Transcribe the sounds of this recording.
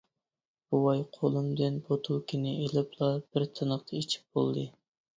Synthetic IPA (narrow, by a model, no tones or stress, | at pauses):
b̥uwɑjqʰolˠɨmd̪ɪnbot̪ʰulkʲʰinɪʔelɪplˠɑb̥ɪɾt̪ʰɨnəχt̪ʰɑit͡ʃʰi̥p̚b̥o̰lˠd̪ɨ